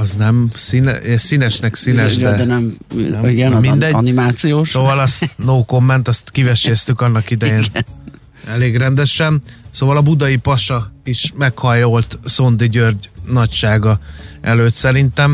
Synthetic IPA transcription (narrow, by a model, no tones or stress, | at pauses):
ɒznɛmsinɛ̰sinɛʃnɛksinɛʃdd̪ɛdnɛm | ɡɛnmind̪ɛɟnimaːt̪sijoːʃsovɒlɒst̪noːko̞mːɛnt̪ɒst̪kivɛʃest̪ykɒnːɒkid̪ɛjeːn | ɛleːɡrɛnd̪ɛʃɛnsoːvɒlɒbud̪ɒjipɒʃɒiʃmɛkhɒjo̞lt̪so̞nd̪iɟørɟnɒcʃaːɡɒʔɛløːt̪sɛɾint̪ɛm